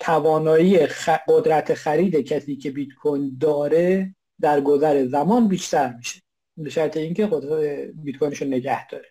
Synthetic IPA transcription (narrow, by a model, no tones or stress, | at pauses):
t̪ʰævɒːnɒːiːeɢod̪ɾæt̪ʰexæɾiːd̪ecʰæsiːcʰe̞bit̪kʰojnd̪ɒːɾe | d̪æɾɡozæɾe̞zæmɒːnbiːʃt̪ʰæɾmiːʃe | beʃæɾt̪ʰe̞iːŋcʰeobit̪̚kojneʃonːe̞ɟæhd̪̥ɒːɾe